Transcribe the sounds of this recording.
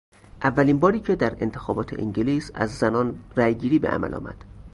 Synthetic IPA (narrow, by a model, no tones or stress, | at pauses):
ʔævːæliːnbɒːɾiːcʰe̞d̪æɾe̞̰nt̪ʰexɒːbɒːt̪ʰeʔḭɲɟeliːsæ̰zːænɒːnræjɡiːɾiːbḛʔæ̰mæ̰lʔɒ̰ːmæ̰d̪̥